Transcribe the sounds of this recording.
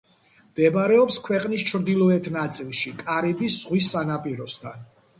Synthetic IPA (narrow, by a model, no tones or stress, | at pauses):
md̪̥ɛbaɾɛɔpskʰwɛqʼnist͡ʃʰɾd̪ilˠɔɛt̪ʰnat̪sʼilˠʃikʼaɾibisz̥ʁwisːanapʼiɾɔst̪ʰan